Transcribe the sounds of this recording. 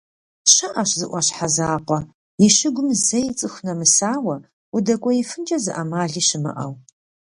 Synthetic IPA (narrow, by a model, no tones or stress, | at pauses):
ɕɐʔɐɕzɨʔʷɐɕħazaːqʷɔ | jɪɕɪɡʷʊmzɐjɪt͡sʼɨxʷnɐmɨsaːwɐ | ʊdɐkʷʼɔjɪfɨnd͡ʒʼɐzɨʔɐmaːɮiːɕɪmɨ̰ʔɐw